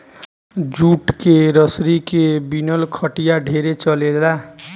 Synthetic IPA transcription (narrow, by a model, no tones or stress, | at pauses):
d͡ʒuʈkeɾʌsɾikebinʌlkʰʌʈijaɖʱeɾet͡ʃʌled̪la